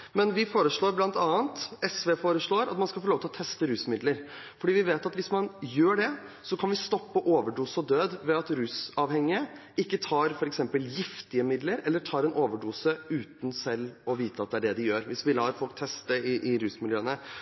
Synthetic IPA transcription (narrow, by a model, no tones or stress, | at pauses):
mɛnʋɪfoːɾəʂɭoːɾblɑnt̪ɑːənt̪ɛsʋeːfoːɾəʂɭoːɾɑ̰t̪mɑnskɑlfɔloːʋt̪ʰɪlɔt̪ʰɛst̪əɾʉːsmɪd̪ləɾ | fɔɖiːʋɪʋeːt̪ɑt̪ʋɪsmɑnjøːɖɛ | sɔkʰɑnʋɪst̪ɔpːəʔoːʋəɖuːsəɔd̪øːd̪ʋɛɑt̪ɾʉːsɑʋhɛŋːɪə | ɪkːət̪ʰɑːɾfɔɾɛksɛmpəljɪft̪ɪəmɪd̪ləɾɛlːəʈʰɑːɾɛnʔoːʋəɖuːsəʉːt̪n̩sɛlːɔʋiːt̪əɑt̪̚d̪ɛæɖɛd̪ɪjøːɾʋɪsʋɪlɑːɾfɔlk̚t̪ʰɛst̪əɪʔɪɾʉːsmɪljøːənə